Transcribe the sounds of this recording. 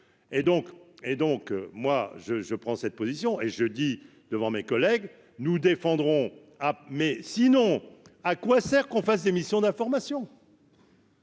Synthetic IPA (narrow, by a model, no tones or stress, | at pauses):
ed̪ɔ̃ked̪ɔ̃kmwaʒəʒəpχɑ̃sɛt̪̚pozisjɔ̃ʔeʒəd̪i | d̪̥əvɑ̃mekɔlɛɡ | nud̪efɑ̃d̪ʁɔ̃ | amɛsinɔ̃akwasɛʁkɔ̃fas̬d̪emisjɔ̃d̪ɛ̃fɔʁmasjɔ̃